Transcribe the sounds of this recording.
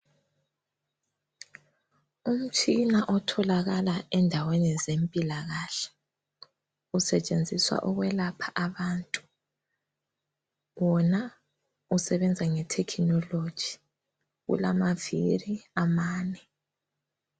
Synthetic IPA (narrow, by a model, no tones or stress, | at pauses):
um̩t͡ʃʼinaʔɔtʰɔlaɣalaɛndʱawenɛzempʼilaɣaːɬɛ̥ | usɛt͡ʃʼend͡zʱiswa̰ʔɔɣwɛlapʰḁʔaβaːntʼu̥ | wɔna | usɛβɛnd͡zʱaŋɛtʰɛkʰinɔlod̥ʒ̥ʱi̥ | ɣṵlamaviriamaːnɛ